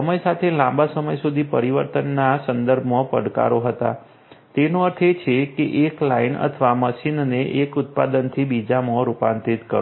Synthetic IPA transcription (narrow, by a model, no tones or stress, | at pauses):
əməjsat̪ʰelãmbasəməjsud̪ʱipəɾiʋəɾt̪ənːasənd̪əɾbʱmopə̰ɽka̰ɾoɦət̪a̰ | t̪enoəɾt̪ʰet͡ʃʰekeʔeklainə̰t̪ʰəʋaməʃinneʔekʊt̪̚pad̪ənt̪ʰibid͡ʒamɔɾupant̪it̪kəɾ